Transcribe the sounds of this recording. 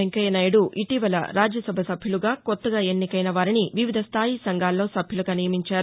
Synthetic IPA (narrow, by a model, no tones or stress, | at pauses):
eŋkɐjɐnɐjɽuʔiʈiʋɐlɐ̰ɾaːd͡ʒjɐsɐbʱɐsɐbʱjuluɡaːkot̪ːɐɡaːe̞nːikɐjnɐʋaːɾiniʋiʋid̪ʱɐst̪ʰaːjisɐŋɡʱaːlːo̞ːsɐbʱjuluɡaːnijɐmiɲt͡ʃaːɾu